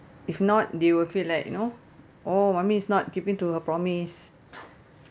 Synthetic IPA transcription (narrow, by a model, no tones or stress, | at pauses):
ifnɔt̚dewilfitlajkjṵno | ʔomãmiːsnɔt̚kipĩŋtuhəpɹɔmis